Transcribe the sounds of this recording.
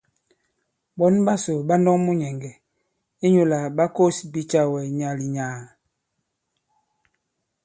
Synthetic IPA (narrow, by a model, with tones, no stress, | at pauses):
bɔ˦n˦ba˦so˨ɓa˦ndɔ˦ŋmu˦ɲɛ˨ŋɡɛ˨ | i˦ɲu˨la˨ɓa˦ko˦si˨bi˦t͡ʃa˦wɛ˨ɲa˨li˨ɲaː˨